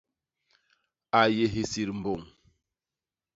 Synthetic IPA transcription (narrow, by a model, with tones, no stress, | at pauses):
a˨je˨ɦi˨si˨ɾm̩˨bo˨ŋ